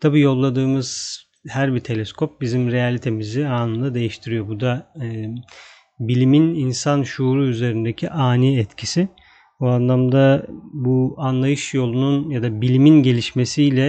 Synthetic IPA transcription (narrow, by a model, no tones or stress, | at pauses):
t̪ʰabijo̞lˠːad̪ɯːmɯz̥ | hæɾbit̪ʰe̞lʲɛskʰo̞p̚bizimɾe̞jalʲit̪ʰe̞miziaːnɯnd̪ad̪e̞jiʃt̪ʰiɾijo̞bud̪a | bilʲimininsanʃuːɾuyze̞ɾind̪ecʰiʔaːniɛt̪cʰisi | uanlˠamd̪abuanlˠajɯʃjo̞lˠununjad̪abilʲiminɟe̞lʲiʃme̞sijlʲɛ